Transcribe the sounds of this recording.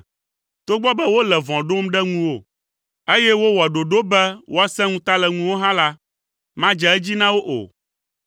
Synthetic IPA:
t̪o˦ɡ͡bɔ˦bɛ˦wo˦lɛ˨vɔ̃˨ɖo˦mɖɛ˦ŋũ˦wo˦˨ | e˦jɛ˦wo˦wɔ˨ɖo˨ɖo˦bɛ˦wʔo˦a˦sɛ̃˦ŋũ˦t̪a˦lɛ˨ŋũ˦wo˦ɦã˦la˦ | mã˦d͡ʒɛ˨ɛ˦d͡ʑi˦nã˦wo˦ʔo̰˨

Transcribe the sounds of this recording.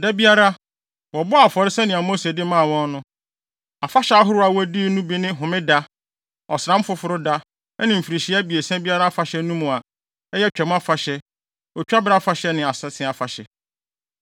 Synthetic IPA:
dɛ˦bi˦a˦ɾa˦ | wɔ˨bʊ˦a˨fɔ˨ɾɪ˦sɛ˦nɪ̃˨a˨mo˦se˨dɪ˦mãː˦˨wɔ̃˦nnʊ̃˦ | a˨fa˦ɕɛ˦a˦ɦʊ˦ɾʊ˦a˨wæ˦di˦nũ˦bi˦nɪ̃˦ɦʊ̃˨mɪ̃˦da˦ | ɔ˨sã˦m˦fʊ˦fʊ˦ɾʊ˦da˦ | nɪ̃˨m̩˨fi˨ɾi˨ɕi˦a˦bi˨e˨sɛ̃˦bi˦a˦ɾa˦fa˨ɕɛ˦nũ˦mũ˨a˨˦ | jɛ˦t͡ɕᶣɛ˨m˦a˦fa˨ɕɛ˦ | ɔ˨t͡ɕᶣa˦ba˦fa˨ɕɛ˦nɪ̃˨a˨sɛ˦sʰɪ̃˦a˨fa˨ɕɛ˨

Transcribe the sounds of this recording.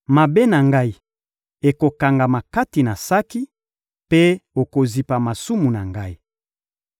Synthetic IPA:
ma˨be˦na˨ŋɡa˦i˨ | e˨ko˨ka˨ŋɡa˨ma˨ka˦ti˨na˨sa˦ki˦ | pe˦o˨ko˨zi˨pa˨ma˨su˦mu˨na˨ŋɡa˦i˦

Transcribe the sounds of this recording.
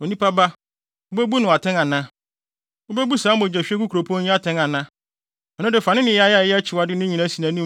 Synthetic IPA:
o˨nĩ˦pa˦ba˦ | ʊ˦be˦bu˦nʊ̃˨a˨tʰɛ̃˦ŋa˨nã˦ | o˦be˦bu˦saː˨˦mʊ̃˨d͡ʑɛ˨ɕᶣɛ˦ku˦kʰɾo˨pʰɔ̃˦ɲĩ˦a˦tʰɛ̃˦ŋa˨nã˦ | ɛ˨nʊ̃˦dɪ˨fa˨nɪ̃˦nɪ̃˨ja˦ja˦˨jɛ˦æ˦t͡ɕʰɪ˨wa˨˦dɪ˦nɪ̃˦ɲĩ˨nã˦si˨nã˨nĩ˦

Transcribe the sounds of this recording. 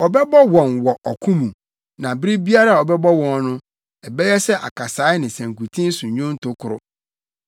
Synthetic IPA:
ɔ˨bɛ˦bɔ˦wɔ̃˨nwɔ˨ʔɔ˨kʰũ˦mũ˨ | nã˨bɾi˦bi˦a˦ɾa˦˨ɔ˨bɛ˦bɔ˦wɔ̃˦˨n˦nʊ̃˦ | ɛ˨bɛ˦jɛ˦sɛ˦ʔa̰˨kʰa˨saː˨˦ɪ˦nɪ̃˨sæ̃˨ŋ˨ku˨tʰĩ˦n̩˦sʊ˨ɲʊ̃˦n˦tʰʊ˦kʰʊ˨ɾʊ̰˦

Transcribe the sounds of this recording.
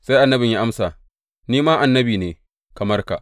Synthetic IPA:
sa˦jʔa˨nːɐ˦bɪ˨ja˦ʔa˦msa˨ | niː˦maː˦ʔa˨nːɐ˦biː˨neː˨ | kɐ˨mɐ˦rka˨ʔ

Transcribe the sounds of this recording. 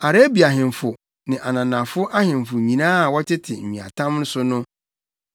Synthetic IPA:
a˨ɾe˦bi˨a˨ɦɪ̃˨mfʊ˨ | nɪ̃˨ʔa˨nã˨nã˨fʊ˦ʔa˦hɪ̃˨m˨fʊ˨ɲĩ˨nãː˦˨wɔ˦tʰɪ˦tʰɪ˨m̩˨mĩ˨a̰˨tʰã˦mn̩˦sʊ˦nʊ̃˦

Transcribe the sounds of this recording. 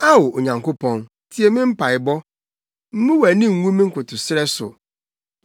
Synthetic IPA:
a˦wʊ˨o˨ɲã˨ŋko˦pʰɔ̃˦n | tʰi˦e˨mɪ̃˦m̩˦pa˨ɪ˨bɔ˦ | m̩˦mũ˦wæ˨nɪ̃˦ŋ̩˦wũ˦mĩ˦ŋ̩˦kʊ˨tʰʊ˨sɪ˦ɾɛ˦sʊ̰˨

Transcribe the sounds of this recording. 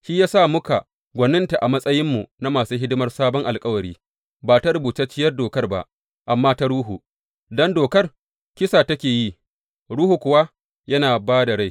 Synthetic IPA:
ʃiː˦jaː˦sa˦˨mʊ˦ka˨ | ɡʷɐ˨nːɪ˦nta˨ʔa˨mɐ˦sʼɐ˦jɪ˦mːu˨na˦maː˨suː˦ɦɪ˦dʊ˦mɐ˦rsaː˦bɔ˦ŋʔa˨lkʼɐ˦wɐ˨ɽiː˦ | baː˨ta˦ɾʊ˨buː˨ta˦t͡ʃːɪ˦jɐ˦rdoː˨kɐ˦rba̰˦ʔ | ʔa˨mːaː˦ta˦ɽuː˦ɦu˨ | dɔ˦ndoː˨kɐ˦r | kʲɪ˦saː˨tɐ˦kʲeː˨ji˦ | ɽuː˦hu˨kʷʊ˨wa˦ | jɐ˦naː˨baː˦da˨ɽa˦˨j

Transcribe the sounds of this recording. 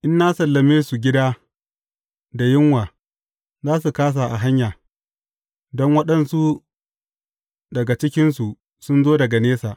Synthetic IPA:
ʔɪ˦nːaː˦sɐ˨lːɐ˨meː˦su˨ɡʲɪ˦daː˦ | da˨jɪ˦ŋwaː˨ | zaː˦s̬u˨kaː˦s̬a˨ʔa˨ɦa˦ɲjaː˨ | dɔ˦ŋwɐ˦ɗɐ˨nsu˦ | dɐ˨ɡa˨t͡ʃɪ˦kʲɪ˦nsu˨ | sʊ˦nzoː˦dɐ˨ɡa˨neː˦sa˨ʔ

